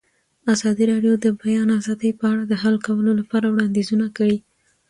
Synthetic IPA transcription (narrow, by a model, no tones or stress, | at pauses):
azɑd̪iɾɑɖjod̪əbajɑnazɑd̪əjpəaɽad̪əɦalkawəlolapɑɾawɽɑnd̪izunakəɽi